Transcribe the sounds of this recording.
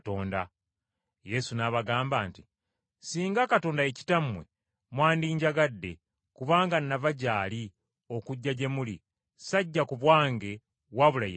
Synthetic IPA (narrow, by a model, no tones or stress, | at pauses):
toːnda | je̞sunaβaɡaːmbaːnti | siːŋɡakato̞ːndaeci̥tamwe̞ | mwaːndiːɲɟaɡadːe̞̰ | kuβaːŋɡanːavaɟaːli | o̞kuɟːaɟe̞mulḭ | saɟːakuβwaːŋɡe̞ | βwaβulaje